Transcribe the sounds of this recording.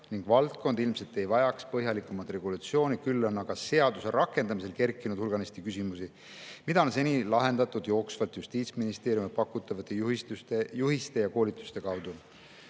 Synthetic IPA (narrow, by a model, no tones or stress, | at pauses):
niŋɡ̥vɑlt̪̚ko̞nd̪̥ilmse̞lt̪ːe̞jvɑjɑkspɤɦjɑlikːˑumɑt̪re̞ɡ̥ulut̪sio̞ːnikylːonɑɡ̥ɑse̞ɑd̪̥use̞ɾʔɑkːˑe̞nd̪ɑmise̞lke̞rkːˑinud̪̥hulɡ̥ɑnest̪ikysimusi | mid̪̥ɑons̬e̞nʲilɑɦe̞nd̪ɑt̪ːˑud̪̥jo̞ːksvɑlt̪just̪iːt̪sminist̪e̞ːɾjumipɑkːˑut̪ːˑɑvɑt̪ːˑet̪t̪ejuhist̪e̞jɑko̞ːlit̪ːˑu̥st̪e̞kɑwd̪̥u